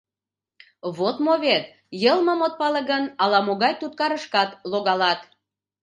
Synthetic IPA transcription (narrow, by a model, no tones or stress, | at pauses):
βot̪moβet̪ | jəlməmot̪̚pɑləɣənɑlɑmoɣɑjt̪ut̪̚kɑɾəʃkɑt̪loɣɑlɑt̪